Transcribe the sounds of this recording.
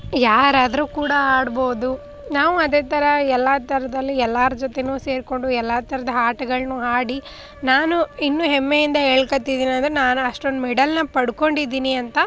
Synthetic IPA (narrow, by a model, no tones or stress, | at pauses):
jaːɾaːd̪ɐɾuːkuːɽɐaːɽbo̞ːd̪u | naːʋuɐd̪eːt̪ɐɾɐɛlːat̪ɐɾɐd̪ɐlːiɛlːaːɾɐd͡ʒot̪enuːse̞ːɾko̞ɳɖuɛlːaːt̪ɐɾɐd̪ɐɦaːʈɐɡɐɭɐnuːɦaːɽi | naːnuinːuːɦɛmːejind̪ɐɦeːɭkɐt̪ːid̪iːnɐnd̪ɐɾenaːnuɐʂʈond̪umɛɖɐlnɐpɐɽuko̞ɳɖid̪iːniɐnt̪ɐ